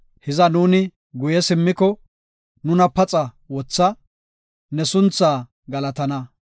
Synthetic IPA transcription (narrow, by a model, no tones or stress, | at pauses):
hɪzɐnuːnɪ | ɡʊjɛsɪmːɪkɔ | nʊnɐpɐt͡sʼɐ | wɔt͡sːɐ | nɛsʊnt͡sːaː | ɡɐlɐt̪ɐnɐ